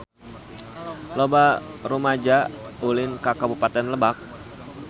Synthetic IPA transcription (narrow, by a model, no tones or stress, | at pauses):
lobarumad͡ʒaulɪnkakabupat̪ɛnləbak̚